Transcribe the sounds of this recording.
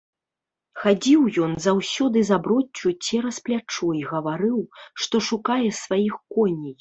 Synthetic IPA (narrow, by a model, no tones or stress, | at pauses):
xad͡zʲiwjɔnzawsʲɔd̪ɨzabɾɔt͡sʲːut͡sʲɛɾɐsplʲat͡ʂɔjɣɐvaɾɨwʂt̪ɔʂukajɛsvajixkɔnʲij